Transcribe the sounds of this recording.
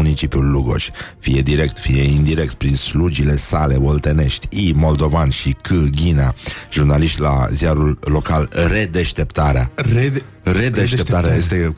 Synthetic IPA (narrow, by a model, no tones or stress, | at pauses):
unit͡ʃipjulːuɡo̞̰ʃʲfije̞d̪iɾe̞k̚t̪fije̞ind̪iɾe̞k̚t̪̚pɾinslud͡ʒile̞sale̞volt̪e̞ne̞ʃt̪ʲimo̞ld̪o̞vanʃikʰɨɡʲinaʒurnaliʃt̪ʲla̰zijaɾulːo̞kalre̞d̪e̞ʃt̪e̞pt̪aɾea̰ | re̞d̪eʃt̪ept̪aɾeajest̪e